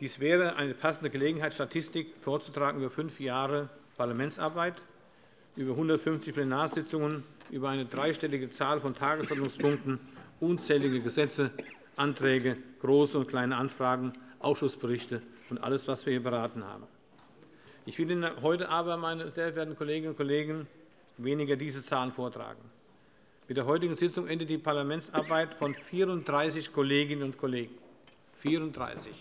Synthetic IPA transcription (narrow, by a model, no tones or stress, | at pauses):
d̥iːsv̥ɛːʁəʔa̰ɪnəpʰasn̩dəɡəleːɡŋ̩ɦaɪtʃtatʰɪstɪkfoːɐt͡su̥tʁ̥aːɡŋ̩yːbɐfʏnfjaːʁəpʰaɐlamɛntsʔa̰ɐbaɪt | ʔyːbɐɦʊndɐtfʏnft͡sɪçpl̥ɛnaːɐzɪt͡sʊŋənʔyːbɐaɪnədʁaɪʃtɛlɪɡət͡saːlfɔntʰaːɡəsʔɔɐtnʊŋspʰʊŋk̚tn̩ʔʊːnt͡sɛːlɪɡəɡəzɛt͡sə | ʔantʁ̥ɛːɡəɡ̥ʁoːsəʊnt̚kʰl̥aɪnəʔanfʁ̥aːɡŋ̩ʔaʊfʃʊsb̥əʁɪçtəʊntʔa̰ləsv̥asv̥iːɐhiːɐbəʁaːtn̩ha̰ːbm̩ | ʔɪçv̥ɪldinɦɔʏtəʔaːbɐmaɪnəzeːɐveːɐtn̩kʰoleːɡənʊnt̚kʰoleːɡŋ̩ | veːnɪɡɐdiːzət͡saːlənfoːɐtʁ̥a̰ːɡŋ̩ | mɪtd̥eːɐɦɔʏtɪɡŋ̩zɪt͡sʊŋʔɛndət̚d̥iːpʰaɐlamɛntt͡sʔaɐbaɪtfɔnfiːʁʊnt̚d̥ʁaɪsɪçkʰoleːɡɪnənʊntkʰoleːɡŋ̩ | fiːʁʊnt̚d̥ʁa̰ɪsɪç